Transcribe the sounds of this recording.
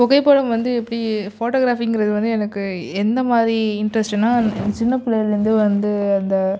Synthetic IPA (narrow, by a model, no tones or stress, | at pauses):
kɔɣɐɪpːoːɽɐmʋɐnd̪ɯɛpːɐɽifoːʈoːɣɾaːfɪŋɡɪɾɐðɯʋɐnd̪ɯɛnɐkːɯɛnd̪ɐmaːd̪ɾiɪɳɖɾɐsʈɛnːaːt͡ʃɪnːɐpːɪlɐjɾɯnd̪ɯʋɐnd̪ɯɐnd̪ɐ